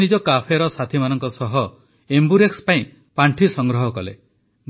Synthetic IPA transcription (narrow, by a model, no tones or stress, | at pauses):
nid͡ʒɔkapʰeɾɔsat̪ʰimanɔŋkɔsɔɦɔ | embuɾekspaĩ | paɳʈʰisɔŋɡɾɔɦɔkɔlḛ | n